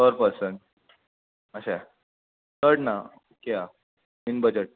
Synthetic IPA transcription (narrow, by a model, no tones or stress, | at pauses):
təɾpəɾsənʈ | əɕa | t̪əɾɽna | okea | minbəd͡ʑəʈ̚